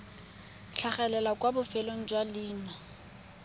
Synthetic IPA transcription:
t͡ɬʰaχɛlɛlakʼwabʊfɛloŋ̩d͡ʒwaliːna

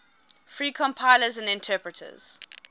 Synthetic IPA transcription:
fɹiːkʰɔ̃mpʰaɪləzə̃ndɪ̃ntʰɜːˑpɹətʰə̰z̥

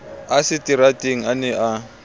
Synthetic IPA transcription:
asɪtiɾatʼeŋ̩anɛʔa

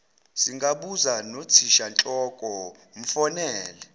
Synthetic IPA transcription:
siŋɡʱaɓuzanot͡sʰiʃant͡ɬʼɔkʼɔ | m̩fɔnɛːlɛ

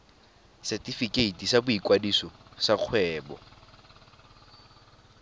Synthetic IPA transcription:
sɛtifikʼeitisabʊikʼwadisɔsaq͡χʰwɛːbɔ̰

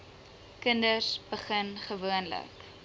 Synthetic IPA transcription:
kəndərsbəχənχəvuənlə̰k

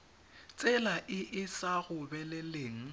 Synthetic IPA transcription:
t͡sʼɛlaʔɪʔɪsaɣʊbɛlɛleːŋ̩

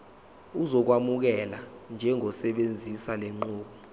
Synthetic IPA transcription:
uzɔk̬wamuk̬ɛland͡ʒʱɛŋʱɔsɛɓend͡zʱisalɛŋ͡ǃuːɓɔ

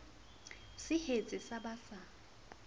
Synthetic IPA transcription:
sɪhet͡sʼɪsabasa

